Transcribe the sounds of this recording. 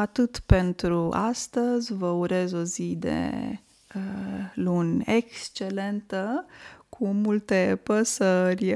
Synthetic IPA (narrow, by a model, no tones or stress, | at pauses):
at̪ɨt̪pe̞nt̪ɾuʔa̰st̪əzʲvəuɾe̞zo̞zid̪ḛ | əlunekst͡ʃe̞le̞nt̪əkʰumult̪e̞pəsərʲ